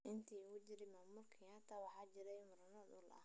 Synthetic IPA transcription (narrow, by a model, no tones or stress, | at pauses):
ʔɪnt̪ʰiːʊt͡ʃɪɾɪmaːmʊlkʰɐjaːt̪ʰɐwɑħɑːt͡ʃɪɾɛjmʊɾɐnɔd̪ʊlɐ̰